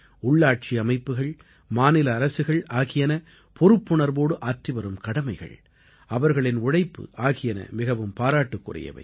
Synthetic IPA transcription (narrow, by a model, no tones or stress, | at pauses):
ʊɭːaːʈ̚t͡ʃiɐmɐɪpːɯɣɐɭ | maːnɪlɐːɾɐsɯɣɐɭaːɣɪjɐnɐ | pɔɾɯpːʊɳɐɾboːɽɯʔaːʈriʋɐɾɯmkɐɽɐmɐɪɣɐ̰ɭ | ɐʋɐɾɣɐɭɪnʊɽɐɪpːɯ̰ʔaːɣɪjɐnɐ̰mɪɣɐʋɯmpaːɾaːʈːɯkːʊrɪ̰jɐ̰ʋɐ̰ɪ